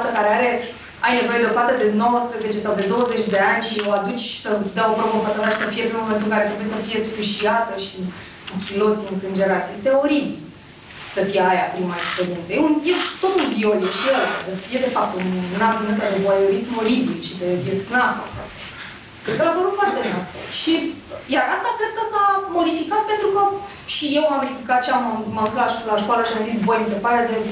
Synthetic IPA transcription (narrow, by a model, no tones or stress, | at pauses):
t̪əkaɾe̞aɾe̞ | ajne̞vo̞jed̪efat̪əd̪e̞no̞wəspɾəzet͡ʃe̞sawd̪e̞d̪o̞wəze̞t͡ʃʲd̪e̞anʲʃio̞ad̪ut͡ʃʲsəd̪aopɾomofat̪sad̪aʃi̥səfijepenmoment̪ulkaɾet̪ɾe̞bujesəfije̞sfɨʃiat̪əʃi | kukʲilo̞t̪siɨnsɨnd͡ʒe̞ɾat̪sʲje̞st̪eo̞ɾibil | səfijeajapɾimaekspeɾijent̪səjeunjet̪o̞t̪und̪io̞ljeʃiela̰d̪eje̞d̪e̞fap̚t̪ununamd̪unest̪ad̪e̞bajo̞ɾismo̞ɾibilʃid̪evesnatə̰ka̰t̪e | keaapəɾut̪fart̪enasə̰ʃi | jaɾast̪akɾe̞d̪̥̚kəsamo̞d̪ifikat̪̚pe̞nt̪ɾukə | ʃije̞wamɾid̪ikat̪ʃammauzut̪laʃlaʃkoaləʃiamzisbo̞jmise̞paɾe̞d̪e̞